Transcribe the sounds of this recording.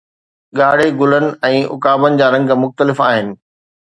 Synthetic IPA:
ɠaːɽ̤eɡʊlənɪ̆ɛ̃ːʔʊ̰kaːbənɪ̆d͡ʑaːɾɐ̃ŋɡmʊxt̪əlɪfaːɦɪnɪ̆

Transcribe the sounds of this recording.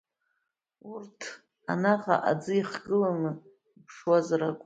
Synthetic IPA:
urtʰ | a̰naʁa̰ʔa̰d͡zɨiχɡɨlanɨ | pʰʂwazarakʷʼ

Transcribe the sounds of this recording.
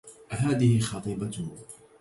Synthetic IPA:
ʔɦaːðɪhɪxɑt̪ˤɨːba

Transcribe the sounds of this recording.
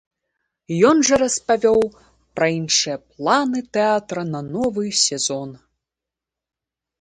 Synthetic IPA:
jɔnʐɐɾɐspavʲɔw | pɾɐinʂɨjɐplˠanɨt̪ɛat̪ɾɐnɐnɔvɨsʲɛzɔn

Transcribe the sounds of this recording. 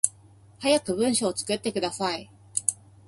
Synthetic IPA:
hajakɯ̟bɯ̟̃ɰ̃ɕoːt͡sɨ̥kɯ̟t̪ːe̞kɯ̟d̪asai

